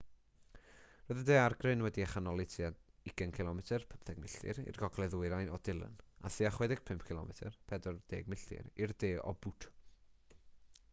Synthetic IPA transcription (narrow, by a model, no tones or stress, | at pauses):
roːjðədeːarɡrɨnwɛdiaχanɔlˠɪtʰiaɪɡənkʰɪlˠɔmɛtʰərpʰəmpθɛɡ̚mɪɬɨ̰ɾḭrɡɔɡlˠɛðʊjɾajnɔd̥ɪlˠə̰na̰θiaχwɛdɪɡ̥̚pʰɪmp̚ʰkʰɪlɔ̰mɛtʰərpʰɛdɔrd̥eːɡmɪɬɨ̰ɾirdeːɔ̰butʰ